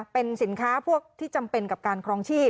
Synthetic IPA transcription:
pe˧nsi˩˦nkʰaː˦˥pʰu˥˩ək̚t̪ʰiː˥˩t͡ɕa˧mpe˧nka˨˩p̚kaː˧nkʰɾɔː˧˥ŋt͡ɕʰiː˥˩

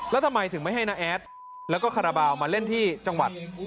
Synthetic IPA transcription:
lɛ˦˥wt̪ʰa˧mːa˧jt̪ʰɯ˩˦ma˥˩jɦa˥˩jna˦˥ʔɛː˦˥t̪̚ | lɛː˦˥wkɔː˥˩a˧ɾa˧baː˧wmaː˧le˥˩nt̪ʰiː˥˩t͡ɕa˧ŋwa˨˩t̪̚

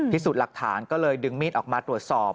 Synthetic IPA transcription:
t̪ʰiː˥˩su˨˩t̪̚la˨˩k̚t̪ʰa̰ː˩˦nkɔː˥˩lɤː˧jdɯ˧ŋmiː˥˩t̪ʔɔː˨˩k̚maː˧t̪ɾu˨˩ət̪̚sɔː˨˩p̚

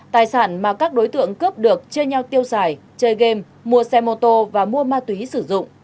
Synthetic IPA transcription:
t̪aː˨˩jsaː˧˩nmaː˨˩kaː˦˥k̚ɗo˨˦jt̪ɨ̰˧˨əŋkə˦˥p̚ɗɨ˨˩ək̚t͡ɕi˧əɲa˧wt̪i˧əwsaː˧˩j | t͡ɕəː˧jɣe˧mː | u˧əsɛ˧mo˧t̪o˧vaː˨˩mu˧əmaː˧t̪wi˨˦sɨ˧˩zʊ̰˧˨ŋ͡m

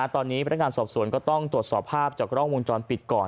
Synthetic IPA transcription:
a˧˥t̪ɔː˧nːiː˦˥pʰa˧nː˦˥ŋaː˧nsɔː˨˩p̚su˨˩˦ənkɔː˥˩t̪ɔ˥˩ŋt̪ɾu˩ət̪̚sɔː˨˩pʰːaː˥˩p̚t͡ɕaː˨˩k̚ɾɔː˥˩ŋwo˧nt͡ɕɔː˧npi˨˩t̪̚kɔː˨˩

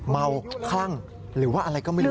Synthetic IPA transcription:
ma˧wkʰla˥˩ŋ | ɾɯː˩˦waː˥˩ʔa˧ɾa˧jkɔː˥˩ma˥˩˥

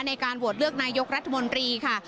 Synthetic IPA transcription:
na˧jkaː˧nbu˨˩ət̪̚lɯ˥˩ək̚naː˧jo˦˥k̚ɾa˦˥t̪ʰːa˧mo˧nt̪ɾiː˧kʰa˥˩

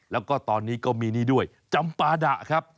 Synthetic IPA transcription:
lɛː˦˥wkɔː˥˩t̪ɔː˧nːiː˦˥kɔː˥˩miː˧niː˥˩du˥˩əj | t͡ɕa˧mpaː˧da˨˩ʔkʰa˦˥p̚

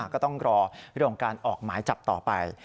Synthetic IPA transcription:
kɔː˥˩t̪ɔ˥˩ŋɾɔː˧ɾɯ˥˩əŋkɔ˨˦ŋkaː˧nʔɔː˨˩k̚maː˩˦jt͡ɕa˨˩p̚t̪ɔː˨˩pa̰˧j

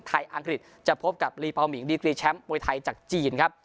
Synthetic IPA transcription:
t̪ʰa˧jʔa˧ŋkɾi˨˩t̪̚ | t͡ɕa˨˩pʰo˦˥p̚ka˨˩p̚liː˧pa˧wmi˩˦ŋdiː˧kɾiː˧t͡ɕʰɛ˦˥mːuː˧jt̪ʰa˧jt͡ɕaː˨˩k̚t͡ɕiː˨˧˩nkʰa˦˥p̚

